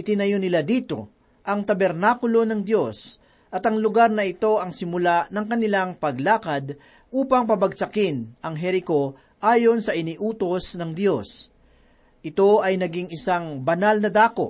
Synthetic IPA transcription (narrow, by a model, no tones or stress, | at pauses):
ʔɪt̪ɪnɐjonɪlad̪iːt̪o̞̰ | ʔɐŋt̪ɐbɛɾnaːkʊlo̞nɐŋd̪jo̞s | ʔɐt̪ɐŋlʊɡaɾnɐɪt̪o̞ʔɐŋsɪmʊlaʔnɐŋkɐnɪlaŋpɐɡlaːkɐd̪ | ʔuːpɐŋpɐbɐɡ̚t͡ʃɐkɪnɐŋɦɛɾɪko̞ | ʔaːjo̞nsɐʔɪniʔuːt̪o̞snɐŋd̪jo̞s | ʔɪt̪o̞ʔɐjnɐɡɪŋɪsaŋbɐnalnɐd̪aːko̞̰